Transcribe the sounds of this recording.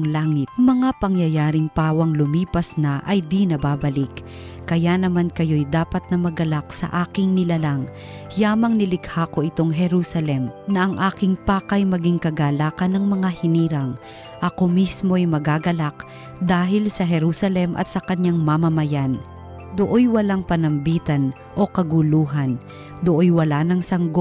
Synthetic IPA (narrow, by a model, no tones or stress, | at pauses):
ŋlaːŋɪt̪̚mɐŋapɐŋjɐjaːɾɪŋpaːwɐŋlʊmiːpɐsnɐʔɐjd̪inɐbaːbɐlɪk | kːɐjanɐmankɐjo̞jd̪aːpɐt̪̚nɐmɐɡɐlak̚sɐ̰ʔaːkɪŋnɪlalaŋ | jaːmɐŋnɪlɪɡhaːko̞ʔɪt̪o̞ŋɦɛɾusɐlɛmnɐʔɐŋʔaːkɪŋpaːkɐjmɐɡiŋkɐɡaːlaːkɐnːɐŋmɐŋahɪniːɾɐŋ | ʔɐko̞mismo̞ɐjmɐɡaːɡɐlak̚ | d̪aːɦɪlsɐɦɛɾuːsɐlɛmʔɐ̰t̪̚sɐkɐɲaŋmamɐmɐjan | d̪oʔojwɐlaŋpɐnɐmbiːt̪ɐn | ʔo̞kɐɡuluːɦɐn | d̪oʔojwɐlaːnɐŋsɐŋɡo